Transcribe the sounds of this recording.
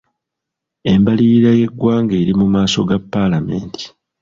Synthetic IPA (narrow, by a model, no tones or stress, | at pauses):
e̞mbaliɾaje̞ɡːwaːŋɡeːɾimumaːso̞ɡapːalame̞ːntʰi̥